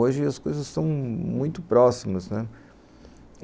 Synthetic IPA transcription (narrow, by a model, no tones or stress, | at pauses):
oʒɪɐskojzɐssɐ̃w̃mũj̃t̪ʊpɾɔsimɐsnɛ